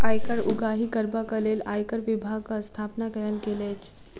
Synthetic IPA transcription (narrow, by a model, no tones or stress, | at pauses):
ajkəɾuɡaɦikəɾbakəlelajkəɾʋibʱaɡ̚kast̪ʰaːpnakəjəlkelet͡ʃ